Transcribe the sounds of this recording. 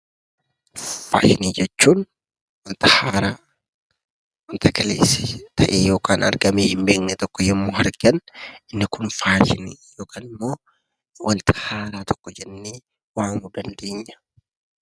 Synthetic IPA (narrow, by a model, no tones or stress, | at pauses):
fa̰ːʃɪniːd͡ʒɛt͡ʃːuːn | wɐnt̪ɐhaːɾaː | wɐnt̪ʰɐkɐlḛːsɪ̥t̪ʰɐʔeːjo̞ːkaːnʔɐ̰ɾɡɐmeːhɪmbe̞ːknɛt̪ɔkːɔjɛmːoːɦɐɾkɐnɪnːɪkʊnfaːʃɪniːjoːkʰaːnɪmːo̞ː | wʔɐnt̪ʰɐ̥haːɾaːt̪ʰɔ̥kːɔd͡ʒɛnːeː | waːŋʊd̪ɐnd̪e̞ːɲːɐ̥